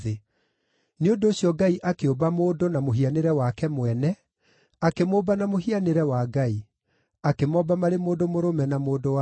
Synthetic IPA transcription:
e | neondoːɕjɔɡaiʔakeobamoːdonamoɦianeɾɛwakɛmwɛnɛ | akemoːbanamoɦianeɾɛwaɡai | akemɔbamaɾemoːdomoɾomɛnamoːdoa

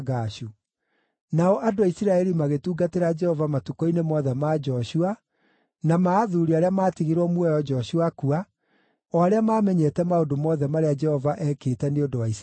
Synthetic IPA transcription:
ɣaʃu | naɔʔadoaisiɾaɛɾimaɣetuːɡateɾad͡ʒɛhɔvamatukoinemɔðɛmaːd͡ʒɔɕua | namaːðuɾiaɾeamaːtiɣiɾwɔmwɛjɔd͡ʒɔɕuakua | ɔaɾeamaːmɛɲɛtɛmaodomɔðɛmaɾead͡ʒɛhɔvaʔɛkeːtɛneodowais

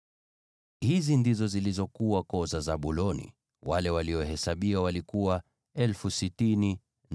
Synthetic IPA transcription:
hizindizɔzilizɔkuwakɔzazaɓulɔnḭ | walɛwaliɔhɛsaɓiwawalikuwa | ɛlfusitini | n

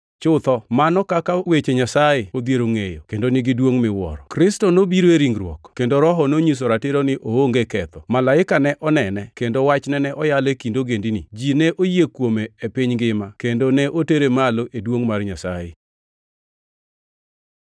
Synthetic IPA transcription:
t͡ʃʊt̪ɔmanɔkakawet͡ʃeɲasajeod̪jeɾoŋejo̰kendonɪɡɪdwoŋmɪwɔ̰ɾɔkɾɪstɔnobiɾoeɾiŋɾwɔ̰kkendoɾɔɦɔnoɲis̬oɾatɪɾonɪʔooŋɡekɛt̪ɔmalaɪkanɛʔɔnɛnɛkendowat͡ʃnɛnɛʔɔjalekindoɡendinid͡ʒinɛʔojekwomeepɪɲɡɪmakendonɛʔoteɾemaloʔedwoŋmarɲasajḛ

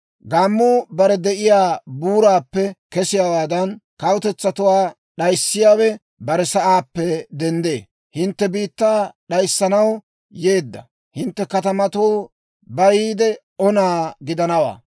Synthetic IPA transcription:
ɡaːmːuːbɐɾɛd̪ɛʔɪjaːbuːɾaːpːɛkɛsɪjaːwaːd̪ɐnkɐwʊt̪ɛt͡sːɐt̪ʊwaː | ɗɐjsːɪjaːwɛ | bɐɾɛsɐʔaːpːɛd̪ɛnd̪e̞̰ː | hɪnt̪ːɛbiːt̪ːaːɗɐjsːɐnɐw | je̞ːd̪ːɐ̰ | hɪnt̪ːɛkɐt̪ɐmɐt̪oː | bɐjiːd̪ɛ | ɔnaːɡɪd̪ɐnɐwa̰ː

